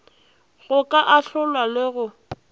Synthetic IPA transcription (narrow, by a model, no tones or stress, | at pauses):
ɣʊkʼaʔaɬʊlwalɪɣʊ